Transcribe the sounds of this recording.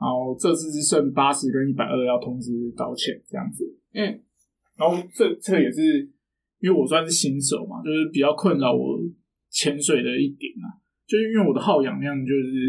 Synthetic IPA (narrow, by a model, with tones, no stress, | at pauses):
na˧˥nxo˥˧ʊʈ͡ʂɤ˥˧sɹ̩˥˧i˥˧swə˥˩npa˥ɕ̩˧˥kə˦ni˥˩pa˨ɪʔə˥˧jɑ˥˩ʊt̪ʰʊ˥ŋt͡sɹ̩˧˥t̪ɑ˧˥ʊt͡ɕʰjɛ̰˨˩˦nt͡sɤ˥˧jɑ̰˥˩ŋd͡z̩˩˥˩ | na˨˧˥xo˥˩ʊt͡sɤ˥˩t͡sɤ˥˩ɡə˨jɛ˨˩ʂɻ̩˥˩ | i˥nwe˥˩ɪwɔ˨˩swa˥˦nʂɻ̩˥˩ɕi˧˥nʂo̰˨˩ʊma̰˨˦t͡ɕjo˥˧ʊʂɻ̩˥˩pi˨˩t͡ɕjɑ˥˧ʊkʰwə˥˧nlɑ˥˩ʊwɔ̰˨˩ | t͡ɕʰjɛ˧˥nʂwe˨˩ɪd̪ə˩i˥˩t̪jɛ˨˩˦na̰˨˩ | t͡ɕjo˥˧ʊʂɻ̩˥i˥nwe˥˩wɔ˨˩d̪ə˦xɑ˥˩ʊjɑ̰˨˩ŋə˥˧jɑ˥˩ŋə˩t͡ɕjo˥˧ʊʂɻ̩˥˩